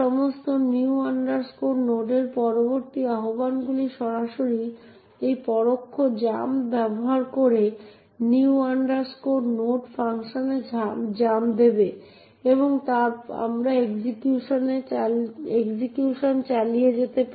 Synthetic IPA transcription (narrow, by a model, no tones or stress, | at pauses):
ɔmost̪oniuaɳɖaɾskoɾnoɖeɾpɔɾoboɾt̪iaɦobanɡuliʃɔɾaʃoɾi | ejpɔɾokʰːod͡ʑambɛboɦaɾkoɾe | niuaɳɖaɾskoɖnoɖfaŋʃoned͡ʑamd͡ʑamd̪ebe | eboŋt̪aɾa̰mɾaeɡd͡ʑikjuʃone | eɡsikjuʃont͡ɕalijed͡ʑet̪ep